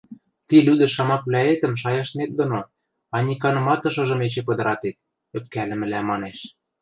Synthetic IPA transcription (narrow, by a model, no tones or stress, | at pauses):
t̪ilyd̪ɘ̆ʃɑmɑkβlʲæet̪ə̆mʃ̬ɑjɑʃnet̪̚d̪ŏno | ɑnʲikɑnɤ̆mɑt̪ɤ̆ʃɤ̆ʒɤ̆met͡ɕĕpɤ̆d̪ɤ̆ɾɑt̪et̪̚ | ø̆p̚kælɘ̆mɘ̆læmɑneʃ